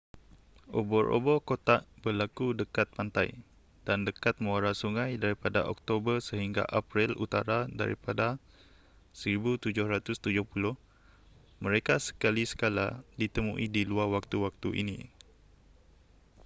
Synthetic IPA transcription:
ʔobɔɾʔo̰bɔrkot̪aʔbərlakudəkat̪̚pant̪a̰j | d̥andəkat̪̚mõaɾasuŋajdaɾipada̰ʔɔk̚t̪obərsəɦiŋɡa̰ʔapɾilut̪aɾada̰ɾḭpada | səɾibut̪ud͡ʒʊhɾat̪ʊst̪ud͡ʒʊhpulʊh | mə̃ɾekasə̥kalisə̥kala̰dit̪əmṵ̃ʔidiluarwak̚t̪uwak̚t̪uʔḭnḭ

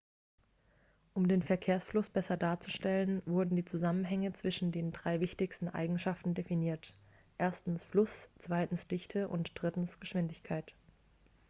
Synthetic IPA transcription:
ʔʊmdeːnfɛɐkʰeːɐsflʊsb̥ɛsɐdaːɐt͡su̥ʃtɛlənvʊɐdn̩diːt͡suzamənɦɛŋət͡sv̥ɪʃn̩deːndʁaɪvɪçtɪçstn̩ʔa̰ɪɡŋ̩ʃaftn̩definiːɐt | ʔeːɐstn̩sflʊst͡sv̥aɪtn̩sd̥ɪçtʰəʔʊ̰ntd̥ʁɪtn̩sɡ̥əʃv̥ɪndɪçkʰaɪt

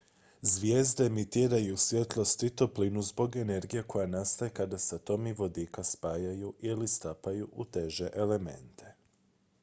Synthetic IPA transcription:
zʋjeːzd̪eemit̪iːɾajusʋʲje̞t̪lˠo̞st̪it̪o̞plinuzbo̞ɡe̞ne̞ɾɡijeko̞janast̪ajekad̪asat̪o̞miʋo̞d̪iːkaspaːjajuʔilist̪apajuʔut̪e̞ʒe̞ʔele̞me̞̰nt̪ʰe̞̥

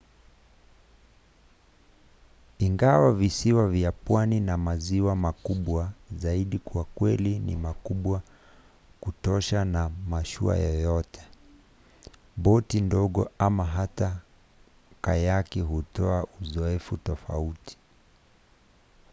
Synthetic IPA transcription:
iŋɡawavisiwavjapwaninamaziwamakuɓwazaiɗikwakwɛlinḭmakuɓwa | kutɔʃanamaʃṵa̰jɔjɔtʰɛ̥ | ɓɔtindɔɠɔ̰amaɦata | kajakiɦutɔaʔuzɔɛfutɔfauti̥

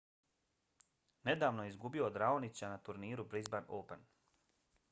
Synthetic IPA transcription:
ne̞d̪aːʋno̞jeizɡubio̞d̪ɾaonit͡ɕanat̪uɾniːɾubɾizbanopen

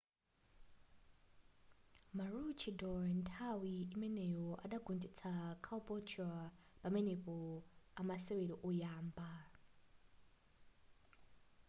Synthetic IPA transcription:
marut͡ʃʰidɔntʰawiimɛnɛjɔʔa̰ɗaɡundit͡sʰakʰaɔpʼɔt͡ʃʰua | pamɛnɛpɔamasɛweɾɔʔujaːmba

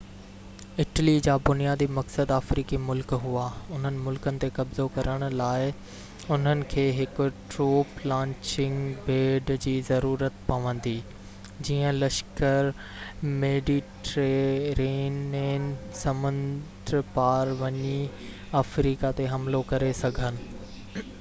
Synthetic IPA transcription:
ɪʈəlid͡ʑaːbʊnijaːd̪imɐksəd̪aːfɾiːkimʊlkɦuaʊn̤ənɪ̆mʊlkənɪ̆t̪ekɐbzokɐɾəɽ̃ʊ̆laːɪ | ʊn̤ənɪ̆kʰeːɦɪkʊ̆ʈɾoːplãːɲt͡ɕɪ̃ŋɡbeːɖd͡ʑiːzɐɾuːɾət̪pɐʋə̃n̆d̪iː | d͡ʑiːə̃lɐʃkəɾ | meːɖiʈɾeɾiːneːnsɐmʊ̃ndd̪ɾpaːɾʋɐɲi | aːfɾiːkat̪eɦɐmlokɐɾesɐɡʱənɪ̆

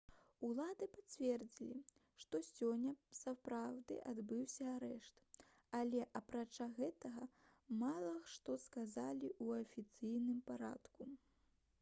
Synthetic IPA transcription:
ulˠad̪ɨpat͡sʲvʲɛrd͡zʲilʲi | ʂt̪ɔsʲɔnʲːɐsapɾawd̪ɨ̰ʔad̪bɨwsʲɐaɾɛʂt̪ | alʲɛʔɐpɾat͡ʂaɣɛt̪ɐɣɐ | malˠɐʂt̪ɔskazalʲiuɐfʲit̪sɨjnɨmpaɾa̰t̪ku

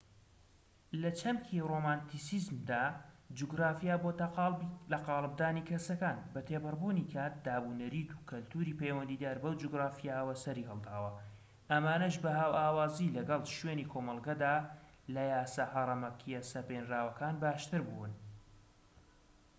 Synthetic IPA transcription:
lɐt͡ʃʰɐmkʰiromaːnt̪isizmd̪aːd͡ʒuɡɾaːfijaboːt̪lɐqɑːlˠɨb̚d̪aːnikʰɐsɐkaːnbɐt̪ʰeːbɨrbunikʰaːt̪̚d̪aːbunɐɾiːt̪u̥kʰɐlt̪uːɾiːpejwɐnd̪iːd̪iaːɾbɐwd͡ʒuɡɾaːfijaːʔɐwɐsɐɾiːhɨlˠd̪aːwɐ | ʔɐmaːnɐʃbɐɦaːwʔaːwaːzilɐɡɐlˠʃweːnikʰoːmɐlˠɡɐd̪aː | lɐjaːsɐhɐɾˤɐmɐkʰijɛsɐpenraːwɐkaːnbaːʃt̪ɨɾbun

